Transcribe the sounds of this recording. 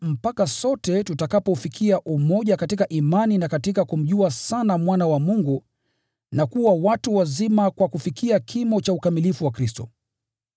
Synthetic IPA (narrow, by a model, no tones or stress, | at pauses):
m̩pakasɔtɛtutakapɔufikʰiaʔumɔʄakatikaʔimaninakatikakum̩ʄuasanamwanawamuŋɡu | nakuwawatuwazimakwakufikʰiakʰimɔt͡ʃaukamilifuwakɾistɔ̰